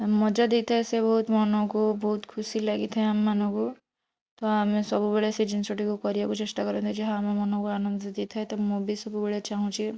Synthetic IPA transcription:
mɔd͡ʒad̪it̪ʰaesebɔɦut̪mɔnɔkubɔɦut̪kʰusilaɡit̪ʰaẽamːanɔ̃ku | t̪ɔamẽsɔbubeɭesid͡ʒinsoʈikukɔɾibakut͡ʃesʈakɔɾɔ̃nt̪ʰid͡ʒɔɦãamamɔnɔ̃kuanɔnd̪ɔd̪it̪ʰaɦet̪ɔmubisɔbubeɭet͡ʃaɦũt͡ʃʰi

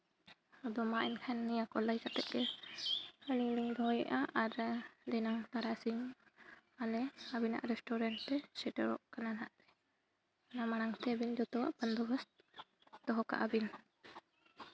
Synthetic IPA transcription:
ɔd̪ɔmaʔɛnkʰanːijakɔlajsat̪ɛʔ̚ɛ | həliliŋd̪ʱɔjɛ̰ʔaʔaɾd̪ɛnaŋt̪aɽasiɲ | alɛabina̰ʔɾɛsʈɔɾaɳʈ̚t̪ɛsɛʈəɾɔ̰ʔkananaʔt̪ɛ̥ | anamaɽ̃aŋt̪ɛbind͡ʒɔt̪ɔwa̰ʔbənd̪ɔbas | d̪ɔɦɔka̰ʔabin

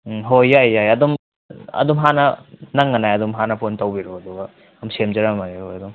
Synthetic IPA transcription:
ɦojːajːajɐdɔm | ɐ̰dɔmɦanɐnɐŋːɐnajɐdɔmɦanɐpontɐwbiɾoɐduɡɐ | ɐmsemd͡ʒɐɾamajehojɐdɔm

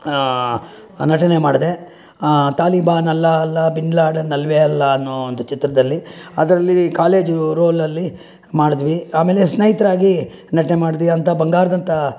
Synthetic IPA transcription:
nɐʈɐne̞maːɽd̪e̞ | t̪aːlibaːnɐlːɐɐlːɐbinɖlaːɖnɐlʋeɐlːɐɐnːoːnd̪ɐt͡ʃit̪ɾɐd̪ɐlːiɐd̪ɐɾɐlːikaːle̞ːd͡ʒuɾoːlːɐlːi | maːɽid̪ʋiaːme̞ːlesnɐjit̪ɐɾaːɡi | nɐʈɐnemaːɖid̪ʋiɐnt̪ɐbɐŋɡaːɾɐd̪ɐnt̪ɐ

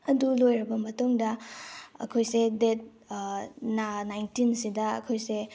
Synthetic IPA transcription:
ɐdulojɾɐbɐmɐtuŋdɐɐ̰kʰojsedet̚ | nanajntinsidɐɐ̰kʰojse

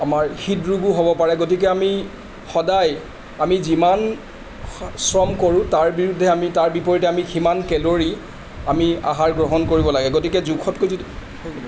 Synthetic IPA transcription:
amaɹxitɹuɡuɦobɔpaɹɛɡotik̬ɛami | xɔdaj | amiziman | sɹɔmkoɹʊ̃taɹbiɹudʱːɛamitaɹbipɔɹitɛamiximankɛloɹi | amia̰ɦaɹɡɹɔɦɔnkoɹibɔlaɡɛɡotikɛzukʰɔtkoj

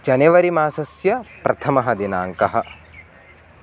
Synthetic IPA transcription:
d͡ʒɐneʋɐɾimaːsɐsjɐpɾɐt̪ʰɐmɐɦɐd̪inaːŋkɐɦɐ̆

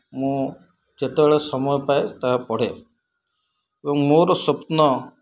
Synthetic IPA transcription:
mũ | d͡ʒet̪ɛbɭesɔmɔjpajt̪aɦapɔɽ̤e | ebɔŋmoɾɔsɔp̪nɔ

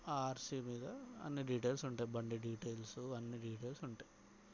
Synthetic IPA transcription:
aːɾsiːmiːd̪ɐɐ̰nːiɖiːʈejlsuɳʈaːjbɐɳɖiɖiːʈeːjlsuɐnːiɖiːʈeːjlsuɳʈaːji

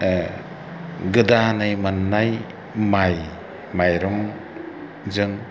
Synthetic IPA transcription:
ɡɯdanajmanːaj | maj | majɾɔŋ | zɯŋ

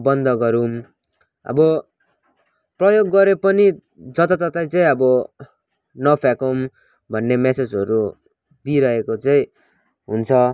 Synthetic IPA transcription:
bʌnd̪ʱʌɡʌɾum | ʌ̰bʌ | prʌjoɡːʌɾepʌni | d͡zʌt̪ʌt̪ʌt̪aj̃t͡saĩʌbʌ | nʌpʰakom | bʱʌnːemesed͡zɦʌɾu | d̪iɾʌɦekot͡saĩ | ɦunt͡sʰʌ

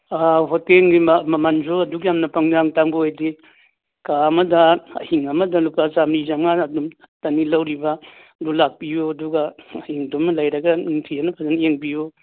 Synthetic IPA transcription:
aɦoteŋɡimmɐmanzoɐduɡijamnɐpaŋd͡ʒaŋtaŋbuojdi | kaɐmɐdɐɐ̰hiŋɐmɐdɐlupazamɾizaŋaɐdum | tɐnilɐwɾiba | ɐdulak̚pijuɐduɡaɐhiŋdumlajɾɐɡɐiŋtʰianɐpʰazanjeŋbiju

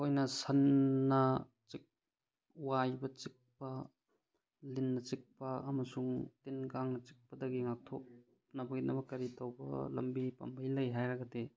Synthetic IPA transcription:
ojnɐsɐnːɐ | t͡ʃik̚ | wajbɐt͡ʃik̚pɐ | linːɐt͡ʃik̚pɐːmɐsuŋtinkaŋnɐt͡ʃi̥k̚pɐdɐɡiŋak̚tʰop̚ | nɐbɐɡinʔɐbɐkɐɾitowbɐ̰lɐ̰mbipɐ̰mbʱɐjlɐjɦajɾɐɡɐde

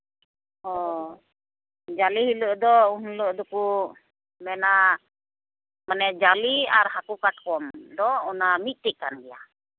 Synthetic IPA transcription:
ɔ | d͡ʒalihiləʔd̪ɔunləʔd̪ɔku | mɛna | manɛd͡ʒaliaɾɦakukaʈ̚kɔmd̪ɔɔnamit̪̚t̪ɛʔkanɡɛja̰

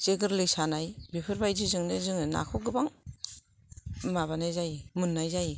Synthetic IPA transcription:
zeɡɯɾlɯjsanajbipʰɯɾbajzizɯŋnɯzɯŋɯna̰kʰɔɡɯbaŋ | maβanajzajmɯnːajzaj

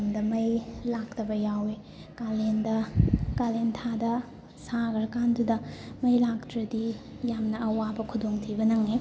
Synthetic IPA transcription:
mdɐmɐjlak̚tɐbɐjawe | kalendɐkalentʰadɐ | saɡɐɾɐkandudɐmɐjlak̚tɾɐdi | jamnɐɐwabɐkʰudoŋtʰibɐnɐŋe

